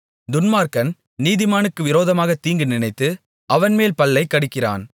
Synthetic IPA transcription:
d̪ʊnmaːɾkɐn | niːðɪmaːnɯkːɯʋɪɾoːðɐmaːɣɐt̪iːŋɡɯnɪnɐɪt̪ːɯ | ʔɐʋɐnmeːlpɐlːɐɪkːɐɽɪkːɪra̰ːn

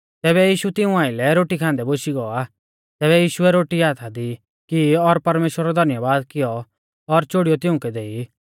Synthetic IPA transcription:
t̪ɛːβɛjiːʃut̪ɪũaːɪlɛɾoːʈikʰãːnd̪ɛboʃiɡɔa | t̪ɛːβɛjiːʃuɛɾoːʈiaːt̪ʰad̪i | kiɔɾpɐɾmeːʃwəɾɔd̪ʱɐnjəʋaːd̪kɪjɔ | ɔɾt͡ʃoːɽijɔt̪ɪ̃ʊ̃kɛd̪eːi

